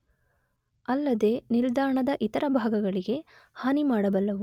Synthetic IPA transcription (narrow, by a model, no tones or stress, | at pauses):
ɐlːɐd̪e̞ːnild̪aːɳɐd̪ɐʔit̪ɐɾɐbʱaːɡɐɡɐɭiɡe̞haːnimaːɽɐbɐlːɐʋu